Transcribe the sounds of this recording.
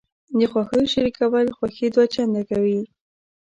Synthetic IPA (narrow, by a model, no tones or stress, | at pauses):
d̪əxwaxəjoʃaɾikawəlxwaxed̪wat͡ʃand̪akawi